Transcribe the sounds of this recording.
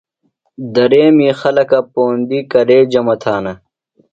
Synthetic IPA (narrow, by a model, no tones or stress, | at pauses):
d̪ɐɾeːmĩːxɐlɐkɐpoːnd̪ikɐɾeːd͡ʑɐmɐt̪ʰaːnɐ